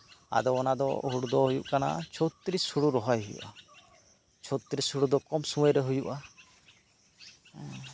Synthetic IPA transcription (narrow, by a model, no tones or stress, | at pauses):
a̰d̪ɔːnad̪ɔ̰ɦuɽd̪ɔɦujuʔkana̰t͡ʃʰot̪ɾishuɽuɾɔɦɔjɦujṵʔa | t͡ʃʰɔt̪ɾishuɽud̪ɔkɔmsũwɛ̃ɾɛɦujuʔa